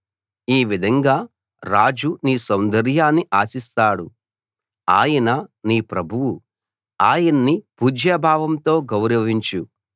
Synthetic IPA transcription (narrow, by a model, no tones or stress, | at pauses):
iːʋid̪ʱɐŋɡaː | ɾaːd͡ʒuniːsɐwnd̪ɐɾjaːnːiʔaːsist̪aːɽu | aːjɐnɐniːpɾɐbʱuwu | aːjɐnːipud͡ʒʱjɐbʱaːʋɐmt̪o̞ːɡɐwɾɐʋiɲt͡ʃu